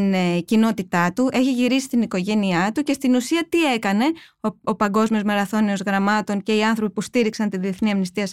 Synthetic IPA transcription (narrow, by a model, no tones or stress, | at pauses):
ncino̞t̪it̪ɐt̪uʔe̞çiʝiɾisi̥t̪iniko̞ʝe̞niɐt̪uce̞st̪inusiɐt̪ie̞kɐne̞oopɐŋɡo̞zmio̞zme̞ɾɐθo̞nio̞zɣɾɐmɐt̪o̞ɲce̞iɐnθɾo̞pipust̪iɾiksɐnt̪iðie̞θniɐmnist̪iɐs